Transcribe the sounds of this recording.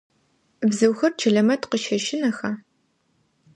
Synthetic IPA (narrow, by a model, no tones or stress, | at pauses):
bzɨwxɐrt͡ʃʰɐɮɐmɐtqəʃɐʃɪnɐxɐ